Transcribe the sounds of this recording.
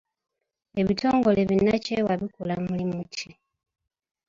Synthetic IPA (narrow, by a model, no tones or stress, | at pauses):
e̞βitʰo̞ːŋɡo̞le̞βinacewaβikulamulimutʰi